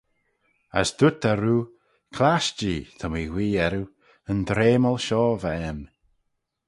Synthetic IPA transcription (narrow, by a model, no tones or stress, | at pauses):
ə̰sd̪̥ʊtaɾuː | kʰlaʃd͡ʒiːt̪ʰɔmiwiːɛɾu | ənd̪ɾeːmɔlˠʃɔːvɛm